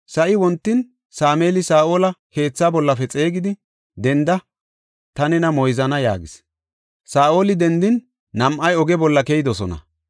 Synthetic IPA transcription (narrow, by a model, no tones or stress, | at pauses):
sɐʔɪwɔnt̪ːɪn | saːmeːlɪsaːʔo̞ːlɐke̞ːt͡sːaːbɔlːɐfɛt͡sʼe̞ːɡɪd̪ɪ | d̪ɛnd̪ɐ | t̪ɐnɛnɐmɔjzɐnɐja̰ːɡɪs | saːʔo̞ːlɪd̪ɛnd̪ɪnː | ɐmʔɐjɔɡɛbɔlːɐkejd̪ɔsɔnɐ̰